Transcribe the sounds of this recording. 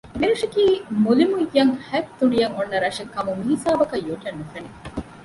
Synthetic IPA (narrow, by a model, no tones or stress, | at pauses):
meɾɐʂɐkiːmulimujːɐŋhæb̚t̪uɖijɐŋonːɐɾɐʂekːɐmumiɦisaːbɐkɐjːoʈɐnːufɐni